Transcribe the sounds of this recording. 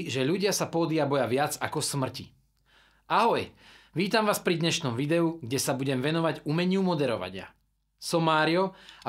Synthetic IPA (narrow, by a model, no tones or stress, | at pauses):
ʒɛʎuɟɪasapɔd̪ɪabɔjaʋɪad͡za̰kɔsmr̩cḭ | aɦɔjʋiːt̪amʋaːspɾid̪ɲɛʃnɔmʋid̪ɛuɡɟɛsabuɟɛmʋɛnɔʋaɟumɛɲɪumɔd̪ɛɾɔ̰ʋa̰ɲɪa̰ | sɔmaːɾiɔa